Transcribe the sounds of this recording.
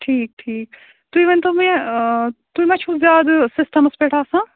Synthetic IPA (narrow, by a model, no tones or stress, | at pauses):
ʈʰiːk̚ʈʰiːk | t̪uimẽnt̪omẽ | t̪uimɐ̃t͡ʃʰuzjaːd̪sɪsʈɐmspeːʈʰaːsãː